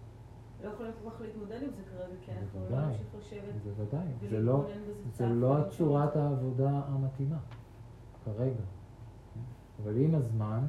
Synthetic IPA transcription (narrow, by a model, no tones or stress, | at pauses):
lojeχolijotaχleit̪mod̪edimzekaʁeɡazevad̪ajoʃevezevadajzelozelo̞at͡ʃuʁat̪aːvo̞daamat̪ima | kaʁe̞ɡa | avalimazman